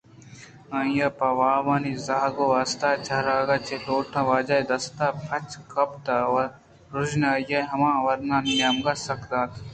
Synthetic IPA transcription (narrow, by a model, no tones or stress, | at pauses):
ãjaːpɐʋaːʋaːnizaːɦɡoːʋaːst̪aːt͡ʃʰɐɾaːɡat͡ʃeloːʈʰãʋaːd͡ʒaːjd̪ɐst̪aːpʰɐt͡ʃkɐpt̪aʋɐ | ɾʊd͡ʒnaːjɐɦɐmãːʋɐɾnaːnijaːmɡasɐkd̪aːt̪ʰ